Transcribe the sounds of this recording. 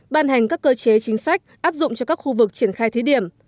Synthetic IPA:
ɓaː˧nɦa˨˩jŋ̟kaː˦˥kːəː˧t͡ɕe˨˦t͡ɕï˨˦ŋ̟sa˦˥jk̟̚ʔaː˦˥p̚zʊ̰˧˨ŋ͡mt͡ɕɔ˧kaː˦˥k̚xu˧vɨ˨˩k̚t͡ɕi˧˩ənxaː˧jt̪ʰə˨˦ɗi˧˩əm

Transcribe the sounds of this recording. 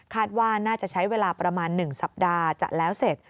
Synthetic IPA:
kʰaː˥˩t̪̚waː˥˩naː˥˩t͡ɕa˨˩ʔt͡ɕʰa˦˥jweː˧laː˧pɾa˧maː˧nːɯ˨˩ŋsa˨˩p̚daː˧t͡ɕa̰˨˩lɛː˦˥wse˨˩t̪̚

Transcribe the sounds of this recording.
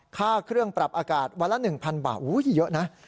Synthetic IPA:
kʰaː˥˩kʰɾɯ˥˩əŋpɾa˨˩p̚ʔaː˧kaː˨˩t̪̚wa˧˥la˦˥nɯ˨˩ŋpʰa˧nba̰ː˨˩t̪̚ʔuː˦˥˨i˨˦˩jɤ˦˥ʔna˦˥ʔ

